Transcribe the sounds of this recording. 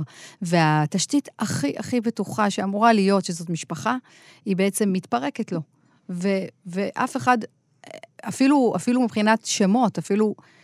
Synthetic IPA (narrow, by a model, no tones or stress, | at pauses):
ve̞ataʃtitaχiʔaχibetuχaʃeamuʁalijo̞tʃezo̞tmiʃpaχa | ibeet͡se̞mːitpaʁe̞ketlo̞ | veveʔafe̞χad | afilua̰filumipχinatʃemo̞tafilu